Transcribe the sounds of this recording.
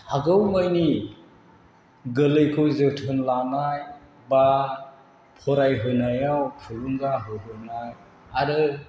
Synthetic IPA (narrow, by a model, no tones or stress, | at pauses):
haɡɯwmajni | ɡɯlɯjkʰɯwzɯtʰɯnlanaj | ba | pʰɔɾajɦɯnajawkʰɯluŋɡaɦɯɦɯnaj | aɾɯ